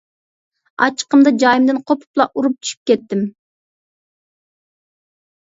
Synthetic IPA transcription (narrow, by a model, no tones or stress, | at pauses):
ɑ̰t͡ʃʰə̥qəmd̪ɑd͡ʒɑjimd̪ɨnqʰopʰu̥plˠɑʔuɾup̚t͡ʃ̪ʰy̥ʃy̥p̚kʲɛt̪ːɪm